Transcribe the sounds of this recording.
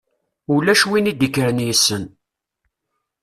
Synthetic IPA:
ulæʃwinid̪ikːɾənjisːən

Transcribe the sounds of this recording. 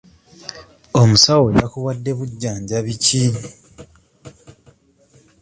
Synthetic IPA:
omusaweβakuwadːe̞βuɟːaːɲɟaβici

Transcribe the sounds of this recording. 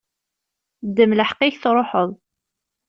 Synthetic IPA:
d̪ːəmləħqɪçθɾˤoħəðˤ

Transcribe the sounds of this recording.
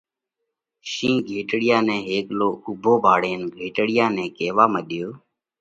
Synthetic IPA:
ʃĩːɡʱeːʈɽɪjãːnɛ̃ːɦeːkloːʊbʱoːbʱaːɽeːnɡʱeːʈɽɪjãːnɛ̃ːkeːʋaːməɗɪjoː

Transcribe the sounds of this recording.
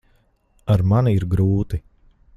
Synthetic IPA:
aɾmaniiɾɡɾuːt̪i

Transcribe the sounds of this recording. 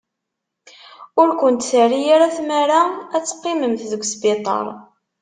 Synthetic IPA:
ʊɾkʷənt̪θərijaɾæθmæɾaæt͡sːqːɪməmθðəɡʷːsbit̪ˤɑ̰ɾˤ

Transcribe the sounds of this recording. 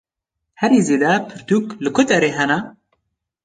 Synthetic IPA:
hɛɾiːzeːd̪ɛpʰɨɾt̪ʰuklɨkʰʷʊt̪ɛɾeːɦɛnɛ

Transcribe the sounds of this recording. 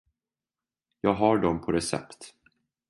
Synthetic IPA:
jɑːɡɦaɖɔmpʰɔɾɛsɛ̰pt̪

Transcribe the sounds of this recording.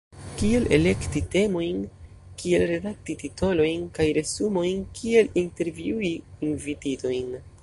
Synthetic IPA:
kie̞lʔe̞̰le̞ktite̞mo̞jn | kie̞lɾe̞dak̚titito̞lo̞jnkajɾe̞sumo̞jnkʰie̞linte̞ɾviuiːnvitido̞jn

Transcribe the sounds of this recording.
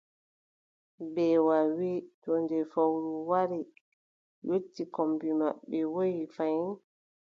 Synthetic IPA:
bɛwawitɔndɛfawɾuwaɾi | jotːikɔmbima̰ɓːɛwojifajn

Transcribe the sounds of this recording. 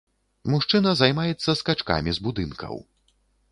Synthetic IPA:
muʂt͡ʂɨnɐzajmajɛt̪sːɐskat͡ʂka̰mʲizbud̪ɨnkʰɐ̰w

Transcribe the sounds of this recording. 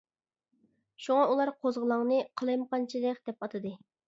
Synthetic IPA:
ʃuŋɑulˠɑɾqʰozʁəlˠɑŋnɨqʰəlˠɑjmqɑnt͡ʃʰilɪq̚ʲd̪̥ɛpɑt̪ʰɨd̪ɨ

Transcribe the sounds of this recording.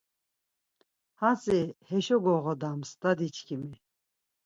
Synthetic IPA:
hasʼihɛʃɔɡɔʁɔd̪amsd̪ad̪it͡ʃʰkʰimi

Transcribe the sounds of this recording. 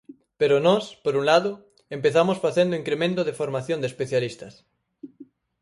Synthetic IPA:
peɾonɔspoɾunlaðo | empeθamosfaθend̪oiŋkɾemẽnt̪oðefoɾmaθjõnd̪espeθjalist̪ɐs

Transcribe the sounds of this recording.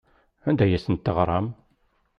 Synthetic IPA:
ænd̪æjæsənt̪ːəʁɾˤɑm

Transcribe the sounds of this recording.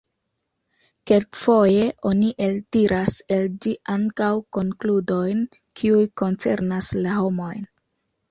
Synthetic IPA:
ke̞lkfo̞je̞ʔo̞niʔe̞ltiɾʔase̞ld͡ʒiʔaŋkawko̞ŋkludo̞jn | kʰiujko̞nt͡se̞̰ɾnaslaho̞mo̞jn

